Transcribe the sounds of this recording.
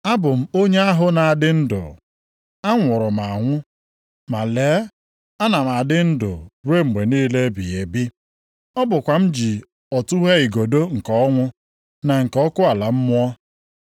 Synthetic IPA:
a˦bʊ˨m̩˦o˦ɲe˦a˦ɦʊ˦na˨a˨dɪ˦n̩˦dʊ̰˨ | a˦ŋʷʊ˨ɾʊ˨m̩˨a˨ŋʷʊ˦ | ma˨leː˨˦ | a˦na˨m̩˨a˨dɪ˦n̩˦dʊ̰˨ɾwe˦m̩˨ɡ͡be˨niː˦le˦bḭ˨e˨bi˦ | ɔ˦bʊ˨kʷa˨m̩˦d͡ʒi˨ | ɔ˨tu˦ɦe˦i˨ɡo˨do˦ŋ̩˨kɔ˨˦ŋʷʊ˦ | na˨ŋ̩˨kɔ˦kʊ˦a˨la˨m̩˦mʊ˦ɔ˦

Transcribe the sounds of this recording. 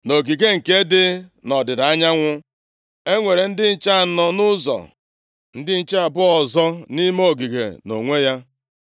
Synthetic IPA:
no˨ɡi˨ɡe˦ŋ̩˨ke˦dɪ˦nɔ˨dɪ˨da˨a˦ɲa˦ŋʷʊ˦ | e˦ŋʷe˨ɾe˨n̩˦dɪ˦n̩˦t͡ʃa˦˨˦nɔ˨nʊ˦zɔ̰˨ | n̩˦dɪ˦n̩˦t͡ʃa˦a˨bʊ˦ɔ˨zɔ˦ni˦mo˦˨ɡi˨ɡḛ˨no̰˨ŋʷe˦ja˦

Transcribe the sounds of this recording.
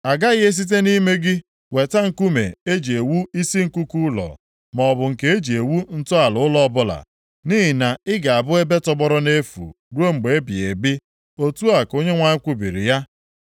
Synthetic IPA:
a˨ɡa˦ɣɪ˦e˦s̬i˦t̬e˦ni˦me˦ɡɪ˦ | we˨ta˦ŋ̩˨ku˦me˨e˦d͡ʒe˨wu˦i˦si˦ŋ̩˨ku˦ku˦lɔ̰˨ | mɔ˨ɔ˨bʊ˨ŋ̩˨ke˨˦e˦d͡ʒe˨wu˦n̩˦tʊ˦a˨lʊ˨ʊ˦lɔ˦bʊ˦la̰˨ | ni˦ɦi˨na˨ɪ˦ɡa˨a˨bʊ˦e˦be˦tɔ˦ɡ͡bɔ˦ɾɔ˦ne˦fṵ˨ | ɾo˦ŋ͡m̩˨ɡ͡be˨e˦bi˨e˨bi˦ | o˦tu˦a˨ko˦ɲe˦ŋʷa˦kʷu˦bḭ˨ɾḭ˨ja˦

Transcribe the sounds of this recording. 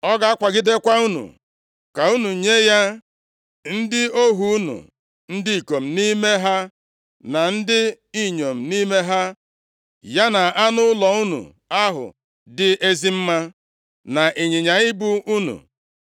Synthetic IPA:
ɔ˦ɡa˦a˦kʷa˨ɡɪ˦de˦kʷa˦u˦nṵ˨ | ka˨u˦nu˨ɲe˦ja˦ | n̩˦dɪ˦o˦ɦu˨u˦nṵ˨ | n̩˦dɪ˦i˨ko˨m̩˨ni˦me˦ɦa˦ | na˨n̩˦dɪ˦ | i˦ɲo˨m̩˨ni˦me˦ɦa˦ | ja˦na˨a˦nʊ˦lɔ˨u˦nṵ˨ | a˦ɦʊ̰˨ | dɪ˨ʔe˦zi˦m̩˦ma˦ | na˨ʔe˨ɲe˨ɲa˨ɪ˦bʊ˦u˦nṵ˨

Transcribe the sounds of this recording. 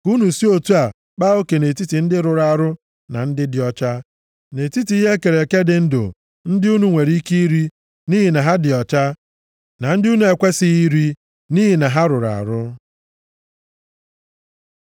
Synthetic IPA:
ku˦nu˨si˦o˨tu˦a˨ | k͡pa˦o˦ke˨ne˨ti˦ti˨n̩˦dɪ˦ɾʊ˨ɾa˨ɾʊ˦ | na̰˨n̩˦dɪ˦dɪ˨ɔ˨t͡ʃa˦ | ne˨ti˦ti˨i˦ɦe˦ke˨ɾe˨ke˦dɪ˨n̩˦dʊ̰˨ | n̩˦dɪ˦u˦nu˦ŋʷe˨ɾi˦ki˦i˦ɾi˦ | ni˦ɦi˨na˨ɦa˦dɪ˨ɔ˨t͡ʃa˦ | na˨n̩˦dɪ˦u˦nu˦e˨kʷe˦si˦i˦ɾi˦ | ni˦ɦi˨na˨ɦa˦ɾʊ˨ɾa̰˨ɾʊ˦

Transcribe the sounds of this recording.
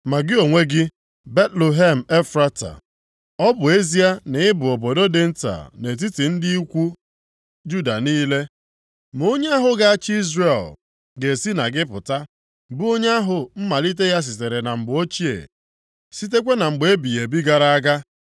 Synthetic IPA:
ma˨ɡɪ˦o˨ŋʷe˦ɡɪ˦ | be˦tlo˨ɦe˦m̩˨e˦fɾa˦ta̰˨ | ɔ˦bʊ˨e˦zi˦a˦ne˨˦ɪ˦bʊ˨o˨bo˨do˦dɪ˨n̩˦ta̰˨ne˨t̬i˦ti˨n̩˦dɪ˦i˦kʷu˦ | d͡ʒu˦da˨niː˦le˦ | m˨o˦ɲe˦a˦ɦʊ˨ɡa˦a˦t͡ʃi˦zɾe˨l | ɡe˨si˦na˨ɡɪ˦pʊ̰˨ta˦ | bʊ˦o˦ɲ˦a˦ɦʊ˨m̩˦ma˨li˦t̬e˦ja˦s̬ɪ˨t̬e˨ɾe˨na˨ŋ͡m̩˨ɡ͡bʊ˨˦o˦t͡ʃi˦ḛ˨ | si˦t̬e˦kʷe˦na˨ŋ͡m̩˨ɡ͡be˦bi˨je˨bi˦ɡa˨ɾa˦a˦ɡa˦

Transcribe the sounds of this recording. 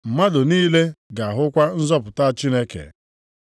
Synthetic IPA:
m̩˨ma˦dʊ˨niː˦le˦ɡa˨a˨ɦʊ˦kʷa˦n̩˦zɔ˦pʊ˨ta˦˨t͡ʃi˦ne˦kḛ˨

